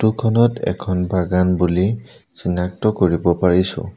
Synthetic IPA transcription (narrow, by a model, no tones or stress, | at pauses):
tukʰɔnɔtʰɛ̰kʰɔnbaɡanbuli | z̥inak̚tɔkoɹibɔpaɹisʊ̰̃